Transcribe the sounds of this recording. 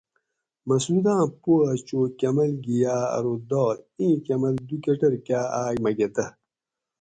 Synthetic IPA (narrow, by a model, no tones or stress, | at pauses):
mɐsud̪ãːpot͡ɕoːkʲɐmɐlɡijaːɐ̰ɾod̪ɔːl̚ĩːkʲɐmɐld̪ukeʈɐɾkʲaːaːjmɐɡɐt̪ɐ